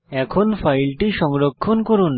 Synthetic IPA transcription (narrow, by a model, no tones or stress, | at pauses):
ɛkʰonfajlʈiʃɔŋɾokʰːonkoɾun